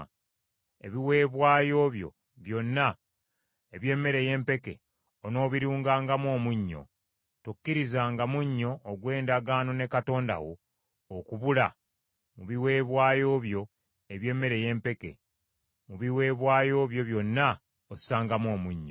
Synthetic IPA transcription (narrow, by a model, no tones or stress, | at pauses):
e̞̰βiwe̞ːβwaːjo̞ːβjo̞̰ | βjo̞nːa | eβje̞ːmːe̞ɾe̞je̞ːmpe̞ke̞̰ | ono̞ːβiɾuːŋɡaːŋɡamwo̞ːmuɲːo̞̰ | tukːiɾizaːŋɡamuɲːo̞ːɡwe̞ːndaɡaːno̞ne̞kato̞ːnda̰wo̰ː | kuβula̰ | muβiwe̞ːβwaːjo̞ːβjo̞ | eβje̞ːmːe̞ɾe̞je̞ːmpe̞ke̞̰ | muβiwe̞ːβwaːjo̞ːβjo̞βjo̞nːa | osaːŋɡamwo̞ːmuɲːo̰